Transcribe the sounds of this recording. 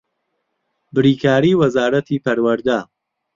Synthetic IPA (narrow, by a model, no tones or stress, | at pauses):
bɪɾiːkʰaːɾiːwɐzaːɾɐt̪ʰiːpʰɐɾwɐɾd̪aː